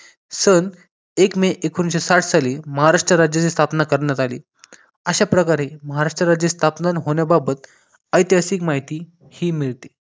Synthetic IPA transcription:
sən | ekmeʔekʰunɕesaʈʰsaliməɦaɾaʂʈɾəɾad͡ʑjat͡sest̪ʰapnakəɾɳjat̪alḭː | əɕapɾəkaɾeməɦaɾaʂʈɾəɾad͡ʑest̪ʰapnanɦoɳjababət̪̚ | əjt̪jasiːkmaɦit̪iː | hiːmiɭt̪e̥

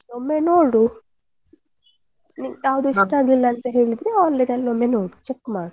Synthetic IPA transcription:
omːenoːɽu | niʈaːʋɐd̪uiʂʈaːɡilːaːnt̪ɐɦe̞ːɭid̪ɾeaːnlenɐlomːenoːɽut͡ʃekːmaːɽu

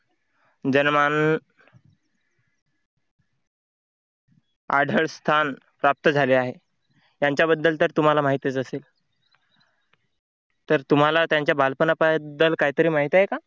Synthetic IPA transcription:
d͡ʑənman | aɖʱəɭst̪ʰan | pɾap̚t̪əd͡zʱaleaɦe | jaɲt͡ɕjabəd̪ʱːəlt̪ːəɾt̪um̤alamaɦit̪jet͡səseːl | t̪əɾt̪um̤alat̪jaɲt͡ɕjabʱalpənapəd̪ːəlkaɦit̪əɾiːmaɦit̪aɦeka

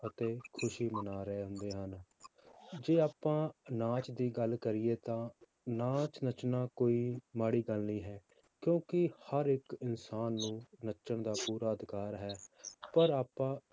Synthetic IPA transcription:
ət̪eːkʰʊʃiːmənaːɾəeːɦʊ̃nd̪eːɦən | d͡ʒeːaːpãːnãːt͡ʃd̪iːɡəlkəɾɪːeːt̪ãː | nãːt͡ʃnət͡ʃnaːkoːiːmaːɽiːɡəlniːɦɛː | kjõːkɪhəɾɪkɪnsaːnːũːnət͡ʃəɳd̪aːpuːɾaːəd̪ɪkaːɾɦɛːpəɾaːpːãː

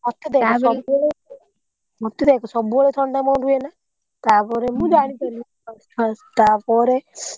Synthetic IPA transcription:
mɔt̪ed̪ekɔsɔbɭe | mɔt̪ed̪ekɔsɔbuɔɭet̪ʰɔɳɖamɔ̃ɾuena | t̪apɔɾemũd͡ʒaɽ̃ikɔnu | asʈʰast̪apɔɾe

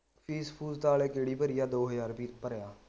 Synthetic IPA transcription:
pʰiːspʰuːzt̪aːleːkeːɽiːpəɾɪjaːd̪oːɦəzaːɾbiːpəɾjaː

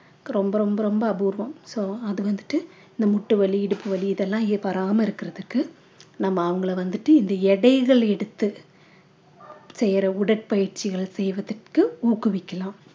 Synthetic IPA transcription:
ɾɔmbɐɾɔmbɐɾɔmbɐːbuːɾʋɐmsoːɐðɯʋɐnd̪ɯʈːɯ | ɪnd̪ɐmʊʈːɯʋɐɭiɪɽɯpːɯʋɐliːðɛlːãːɪpɐɾaːmɐɪɾɯkːɪɾɐðɯkːɯ | nɐmːɐːʋɐŋɡɐɭɐʋɐnd̪ɯʈːɯɪnd̪ɐɛɽɐɪɣɐɭɛɽɯt̪ːɯ | sɛjɾɐʊɽɐʈ̚pɐjɪɾt͡ʃɪɣɐɭsɛjʋɐðɯʈkɯuːkɯʋɪkːɐlãːm

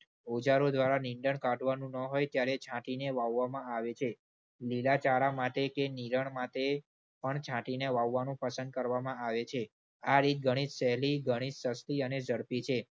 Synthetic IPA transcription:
od͡ʒaɾod̪ʋaɾaniɳɖəɳkaɖʱʋanũnəɦojt̪jaɾet͡ʃʰãʈineʋaʋːamãaʋet͡ʃʰe | lilat͡ʃaɾamat̪ekeniɾəɳmat̪e | pəɳt͡ʃʰãʈineʋaʋːanũpəsənd̪̚kəɾʋamãaʋet͡ʃʰe | aɾit̪̚ɡʱəɽ̃id͡ʒsɛɦliɡʱəɽ̃id͡ʒsəst̪iəned͡ʒəɽpit͡ʃʰe

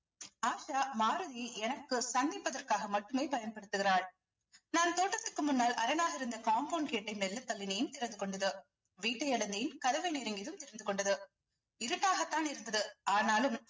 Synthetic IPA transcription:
aːʂaːmaːɾɯðiɛnɐkːɯsɐnd̪ɪpːɐðɐrkaːɣɐmɐʈːɯmeːpɐjɐnpɐɽɯt̪ːɯɣɪraːɭ | naːnt̪oːʈːrɐt̪ːɯkːɯmʊnːaːlɐɾɐnaːɣɐɪɾɯnd̪ɐkaːmboːnkeːʈːɐɪmɛlːɐt̪ːɐlːɪnɐjɪnt̪ɪɾɐnd̪ɯkɔɳɖɐðɯ | ʋiːʈːɐɪɐɽɐnd̪ɐjɪnkɐðɐʋɐɪneːɾɐŋɡɪðɯmt̪ɪɾɐnd̪ɯkɔɳɖɐðɯ | ɪɾɯʈːaːɣɐt̪ːaːnɪɾɯnd̪ɐðɯaːnaːlɯm

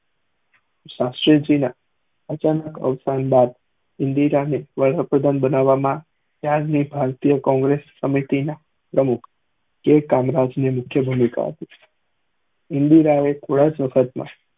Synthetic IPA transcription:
ʃasʈɾid͡ʒina | ət͡ʃanəkə̰ʋsanbad̪ | ɪnd̪iɾaneʋəɭəpɾəd̪ʱanbənaʋːamã | t̪jaɾnibʱaɾt̪ijəkɔ̃ŋɡɾesːəmit̪ina | pɾəmukʰ | kekamɾad͡ʒnemʊkʰjəbʱumika̰ɦə̰t̪i̥ | ɪnd̪iɾaekʰoɽad͡ʒʋəkʰət̪mã̰

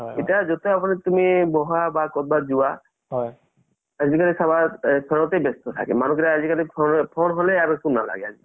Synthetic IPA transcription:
ɦeʈad͡ʒot̪oapɔnit̪umibɔɦabakɔd̪̚bad͡ʒua | ad͡ʒbikalisʰabasʰɔɾɔt̪ejbest̪ot̪ʰa̰kḛmanukeɾaad͡ʒikalipʰɔpʰonɦoleabesunːala̰ɡead͡ʒḭ

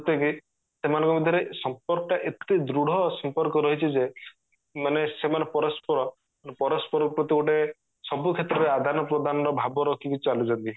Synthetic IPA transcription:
pɾɔt̪jeki | semanɔŋkɔbid̪ʱjɔɾesɔmpɔɾkɔʈaʔet̪id̪ɾuɽ̤ɔsɔmpɔɾkɔɾɔɦit͡ʃʰid͡ʒe | manesemanepɔɾɔspɔɾɔ | npɔɾɔspɔɾɔpɾɔt̪ioʈe | sɔbukʰet̪ɾɔɾead̪ʱanɔpɾɔd̪anɔɾɔbʱabɔɾɔkʰikut͡ʃalud͡ʒɔnt̪i

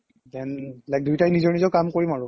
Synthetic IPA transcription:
dɛnlajk̚dujtajnizɔɹnizɔkamkoɹimaɹu

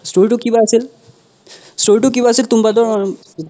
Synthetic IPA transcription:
sʈoɾʈ̬ukibaəsil | sʈoɾiʈuk̬ibaəsilt̪umbad̪ʱɔɾ

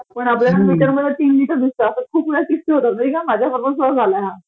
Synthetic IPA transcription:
pəɳapljanaliʈəɾməd̪ʱːet̪iːnliʈəɾd̪ist̪əəsəkʰuːp̚puɽakist̪iɦot̪at̪̚məɾiːkamad͡ʑʱjafəɾməs̬ad͡zʱalajɦa

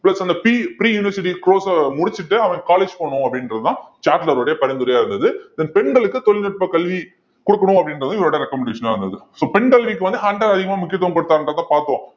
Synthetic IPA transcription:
plɐsɐnd̪ɐpiːpɾiːjʊːnɪʋɐɾsɪʈ̬ːikɾoːsɐmʊɽɪt͡ʃːɪʈːɯɐʋɐ̃ŋkaːleːd͡ʒpoːɳʊ̃ɐpːɐɽɪnɾɐðɯt̪ãːt͡ʃaːɾʈlɐɾoːɽɐjɐpɐɾɐnd̪ʊɾɐjaːɪɾɯnd̪ɐðɯɪðɐnpɛɳɡɐɭɯkːɯt̪ɔlɪnɔʈ̚pɐkɐɭʋi | kʊɽɯkːɐɳʊ̃ɐpːɽɪnɾɐðt̪ãːɪʋloːɽɐjɐɾɛkːɐmɛɳɖeːʂɐnaːɾɯnd̪ɐðɯsoːpɛɳɡɐlʋikːɯʋɐnd̪ɯɦaːɳʈɐɾɐðɪɣɐmaːmʊkːɪjɐt̪ːʋɐŋpɐɽɯt̪ːaːɾɯndrɾɐt̪ãːpaːɾt̪ɯõː

